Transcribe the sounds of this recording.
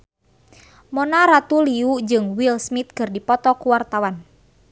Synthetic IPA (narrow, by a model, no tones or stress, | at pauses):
mɔnaɾat̪uliud͡ʒɨŋwilsmit̪̚kɨrdipɔt̪ɔkuwart̪awan